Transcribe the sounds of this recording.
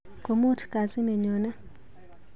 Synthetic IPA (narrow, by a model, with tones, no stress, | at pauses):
ko˨mo˦tka˨si˦nɛ˨ɲɔ˨na˦